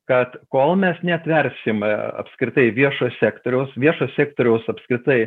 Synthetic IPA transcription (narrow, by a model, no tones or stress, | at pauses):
kɐt̪koːlˠmʲɛsnʲɛɐt̪ʲʋʲɛrʲsʲɪmɐ̰pskɾʲɪt̪ɐɪʋʲiɛʃoːssʲæːkt̪oːɾʲɛʊsʋʲiɛʃoːssʲæːkt̪oːɾʲɛʊsɐpskɾʲɪt̪ɐɪ